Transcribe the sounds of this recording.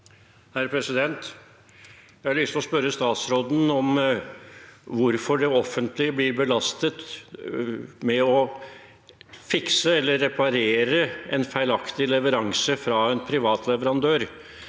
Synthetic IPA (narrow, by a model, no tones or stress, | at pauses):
hæɾpʰɾɛsɪd̪ɛnt̪ | jæɪɑɭʏst̪ɔspœɾːəst̪ɑːt̪sɾoːd̪n̩ɔm | ʋʊɾfɔɖɛɔfːənt̪lɪəblɪɾbəlɑst̪ət̪ | mɛɔ | fɪksəɛlːəɾːɛpʰɑɾeːɾəɛnfæɪlɑkt̪ɪlɛʋəɾɑŋsəfɾɑːɛnpʰɾɪʋɑːt̪ʰlɛʋəɾɑnd̪øːɾ